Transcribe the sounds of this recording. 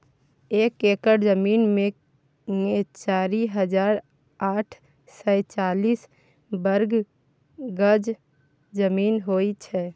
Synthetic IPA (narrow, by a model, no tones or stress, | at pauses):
eːkekəɾd͡ʒəmiːnmẽ | ŋet͡ʃaːɾiɦəd͡ʒaːɾ | aːʈʰ | səɪt͡ʃaːliːs | bəɾɡ | ɡəd͡ʒ | d͡ʒəmiːnɦoit͡ʃʰɛ